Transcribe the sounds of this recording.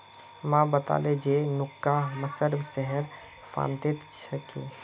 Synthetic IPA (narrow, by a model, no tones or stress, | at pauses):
mãbət̪a̰ːled͡ʒenʊkːaməsəɾbsɛɦəɾ | fʰa̰ːnt̪ɪt̪t͡ʃʰəkḛ